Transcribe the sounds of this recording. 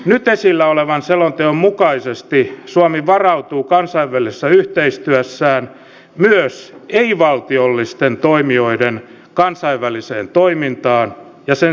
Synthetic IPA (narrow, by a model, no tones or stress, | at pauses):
nyt̪esilːæoleʋɑnselont̪eommukɑisest̪isuɑmiʋɑrɑut̪uːkɑnsɑiʋːælise̥sːæyht̪eist̪yæsːæːn | myøseiʋɑlt̪iolːist̪ent̪oimioiden | kɑnsɑiʋːælisḛːnt̪oimint̪ɑːn | jɑsen